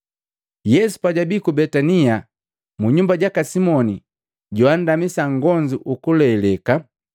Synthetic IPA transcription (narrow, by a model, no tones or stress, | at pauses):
jɛsu̥paɟabikubɛtania | muɲumbaɟakasimɔni | ɟɔan̩damisaŋɡɔɲd͡ʒiʔukulɛːlɛka